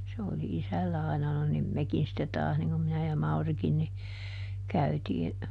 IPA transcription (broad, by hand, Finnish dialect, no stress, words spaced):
se oli isælːæ ɑinɑ no nim mekin sitːe tɑːs niŋ kum minæ jɑ mɑurikin ni kæytiː